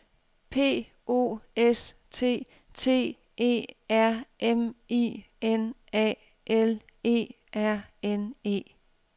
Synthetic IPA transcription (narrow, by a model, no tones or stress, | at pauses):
pʰe̝̰ː | o̝̰ːest͡sʰe̝̰ː | t͡sʰe̝̰ː | e̝̰ːæɐ̰emḭː | enɛ̰ː | ʔel | e̝̰ː | ʔæɐ̰ene̝̰ː